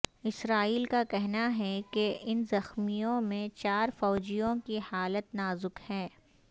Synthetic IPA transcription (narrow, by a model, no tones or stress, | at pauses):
ɪsɾaːiːlkakɛɦnaɦɛkeʔɪnzɐxmijõmẽt͡ʃaːɾfɔːd͡ʒijõkihaːlət̪naːzʊkhɛ̃ː